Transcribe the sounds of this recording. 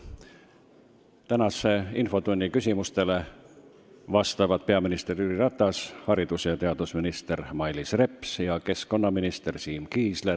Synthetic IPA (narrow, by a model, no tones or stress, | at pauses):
t̪ænɑsˑeinfo̞t̪unʲːikysʲimust̪e̞le̞ | vɑst̪ɑvɑd̪̥̚pe̞ɑminist̪e̞ryɾiɾɑt̪ːˑɑshɑɾid̪̥usjɑt̪e̞ɑd̪̥usminist̪e̞rmɑjlisre̞pˑsjɑke̞sko̞nːɑminist̪e̞rsiːmkiːsle